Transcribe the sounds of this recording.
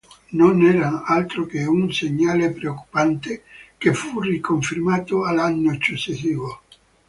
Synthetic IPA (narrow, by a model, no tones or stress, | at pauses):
nonɛɾanalt̪ɾokeunseɲːalepɾeokːu̥pant̪ekefurikoɱfiɾmaːt̪oalanːoet͡ʃosesiːvo